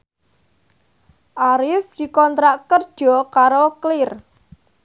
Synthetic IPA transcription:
ʔaɾɪfd̪̥i̤kɔnt̪ɾaʔkərd̥ʒ̥ɔ̤kaɾoklɪr

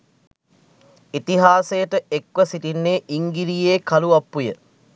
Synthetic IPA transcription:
it̪iɦaːsejəʈəekʋɐsiʈinːeːʔiŋɡiɾijeːkaluapːujə

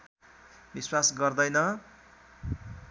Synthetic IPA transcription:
biswasɡʌrd̪ʌjnʌ

